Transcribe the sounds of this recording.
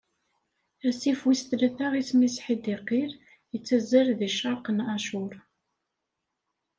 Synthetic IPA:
æsifwist̪læθaʁismisħid̪iqiɾ | jət͡sːæzəɾðiʃɑɾˤqənaʃʊɾ

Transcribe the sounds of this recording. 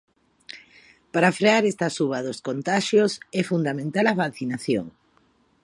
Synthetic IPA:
paɾafɾeaɾɛst̪ɐsuβɐðoskont̪aʃjosɛfund̪amẽnt̪alɐfaθinaθjo̰ŋ

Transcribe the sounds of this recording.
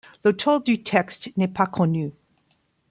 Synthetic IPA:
lət̪ʰɔld̪yt̪ʰɛkst̪nɛpakʰɔny

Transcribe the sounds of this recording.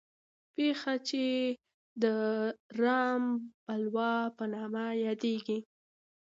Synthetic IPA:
pexat͡ʃe | d̪əɾɑmpalwɑpənɑmajɑd̪eɡi

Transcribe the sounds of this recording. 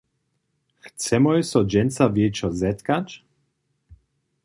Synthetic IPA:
xt͡sɛmɔjsɔd͡ʑɛnt͡savjɛt͡ʃɔzɛt̪kat͡ʃ

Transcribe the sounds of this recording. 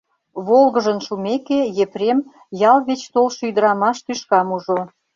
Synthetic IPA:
βolɣəʒənʃumekejepɾem | jɑlβet͡ɕt̪olʃyd̪əɾɑmɑʃt̪yʃkɑmuʒo

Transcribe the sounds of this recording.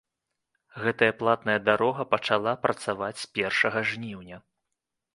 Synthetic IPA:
ɣɛt̪ɐjɐplˠat̪nɐjɐd̪aɾɔɣɐpɐt͡ʂalˠapɾʔɐt̪savat͡sʲsʲpʲɛrʂɐɣɐʐnʲiwnʲɐ

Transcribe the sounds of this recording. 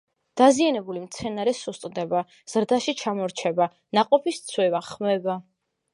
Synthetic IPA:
d̪̥azianɛbulimt̪sʰɛnaɾɛsust̪ʼd̪ɛba | z̥ɾd̪aʃit͡ʃʰamɔɾt͡ʃʰɛba | naqʼɔpʰist̪sʰwɛvaχmɛba

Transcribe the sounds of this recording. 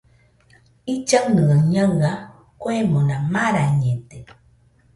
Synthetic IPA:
it͡ʃəŋnəəŋɲəwa | koemonamaɾaɲet̪e

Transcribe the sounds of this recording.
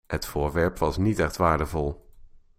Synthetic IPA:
hətfʊːɹʋɛɹpʋɑsnitɛxtʋaːɹdəvɔlˠ

